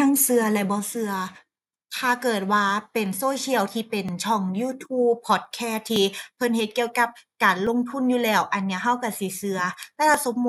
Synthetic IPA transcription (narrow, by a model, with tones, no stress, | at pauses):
aː˧˥˩ŋsɯ˧ɐlɛ˧˥bɔː˧˦sɯ˧ɐ | t̪ʰaː˧˩kɤː˨˩t̪̚waː˧pe˨˩nsoː˧˥˦kʰi˧˩əwt̪ʰiː˧˩pe˨˩nt͡ɕʰɔ˧˩ŋjuː˧t̪ʰuː˧˥˩pʰːɔː˨˩t̪̚kʰɛː˧˥˩t̪ʰːiː˧pʰɤ˧˦nhe˧˦t̪̚ki˧əwka˧˦p̚kaː˨nlo˧˥ŋt̪ʰu˧˥˨njuː˧˩lɛː˧˩wʔa˨˩nːi˧˩ɐɦa˧˥˩wka˧˩si˧˦sɯ˧ɐlɛ˧˥˩lʰa˧˥so˧˦mː˧